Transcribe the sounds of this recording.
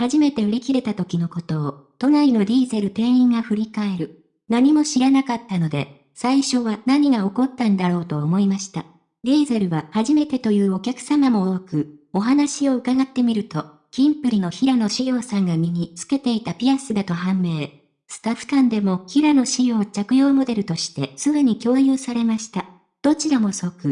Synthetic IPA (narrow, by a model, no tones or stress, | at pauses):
haʑime̞t̪e̞ɯ̟ɾʲikʲiɾe̞t̪at̪o̞kʲino̞ko̞t̪o̞ːt̪o̞naino̞ɾʲiːze̞ɾɯ̟t̪e̞ːĩŋɡaɸɯ̟ɾʲikae̞ɾɯ̟ | naɲ̟imo̞ɕiɾanakat̪ːano̞d̪e̞ | saiɕo̞βanaɲ̟iɡao̞ko̞t̪ːãnd̪aɾo̞ːt̪o̞ːmo̞imaɕi̥t̪a̰ | ɾʲiːze̞ɾɯ̟βahaʑime̞t̪e̞t̪o̞jɯ̟ːo̞kʲakɯ̟̥samamo̞oːkɯ̟o̞ɦanaɕio̞ɯ̟kaɡat̪ːe̞mʲiɾɯ̟t̪o̞ | kʲĩmpɯ̟ɾʲino̞çiɾano̞ɕijo̞ːsãŋɡamʲiɲ̟it͡sɨ̥ke̞t̪e̞it̪apʲiasɨd̪at̪o̞ɦãmːe̞ː | sɨ̥t̪aɸɯ̥t̪ãnd̪e̞mo̞kʲiɾano̞ɕijo̞ːt͡ɕakɯ̟jo̞ːmo̞d̪e̞ɾɯ̟t̪o̞ɕi̥t̪e̞sɨɡ̪ɯɲ̟ikʲo̞ːjɯːsaɾe̞maɕi̥t̪a | d̪̥o̞t͡ɕiɾamo̞so̞kɯ̟